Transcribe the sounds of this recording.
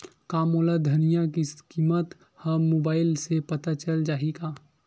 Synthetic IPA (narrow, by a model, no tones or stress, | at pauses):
kaːmoːlad̪ʱɐnijãkiskiːmət̪ | hɐmːoːbaːɪlsepət̪at͡ʃəld͡ʒaːiɡaː